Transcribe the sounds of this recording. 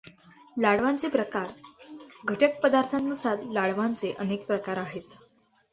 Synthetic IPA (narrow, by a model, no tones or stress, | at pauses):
laɽʋant͡sepɾəkaɾ | ɡʱəʈək̚pəd̪aɾt̪ʰãnːusad̪laɽʋãnt͡seʔənek̚pɾəkaɾaɦet̪